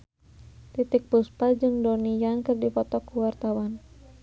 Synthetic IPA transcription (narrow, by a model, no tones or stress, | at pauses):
t̪it̪ɪk̚buspad͡ʒɨŋdɔnijankɨrdipɔt̪ɔkuwart̪awan